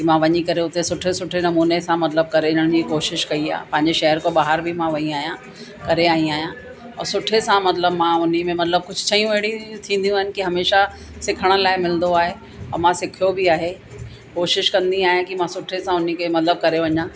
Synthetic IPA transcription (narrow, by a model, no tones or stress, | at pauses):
kimãʋɐɲikɐɾeʊt̪esʊʈʰesʊʈʰenɐmuːnesãmɐt̪ləb̚kɐɾeəɽ̃d͡ʑiːkoːʃɪʃkɐia̰ːpɐ̃ɦɪ̃ɲd͡ʑeʃɐɦəɾkoɓaːɦəɾbʱɪmãʋɐĩaːɦijã | kɐɾeaːɦĩaːɦijã | ɔːɾsʊʈʰesãmɐt̪ləbmãʊn̤imẽmɐt̪ləb̚kʊd͡ʑʱʊt͡ɕʰɐɦijũʋeːɽit̪ʰĩːn̆d̪ijũaːɦɪnɪ̆kiɦɐmeːʃa | sɪkʰəɽ̃ʊ̆laːɪmɪlnd̪oaːɦe | ɔːɾmãsɪkʰjobɪaːɦe | koːʃɪʃkɐ̃nd̪iaːɦijãkimãsʊʈʰesãʊn̤ikemɐt̪ləb̚kɐɾeʋɐɲãː